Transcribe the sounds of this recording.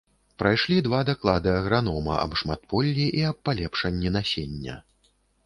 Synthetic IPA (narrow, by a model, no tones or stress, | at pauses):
pɾajʂlʲid̪vad̪aklˠad̪ɨɐɣɾan̪ɔmɐ̰ʔɐ̰bʂmat̪̚pɔlʲːiʔiɐpːalʲɛpʂɐnʲːinasʲenʲːɐ̰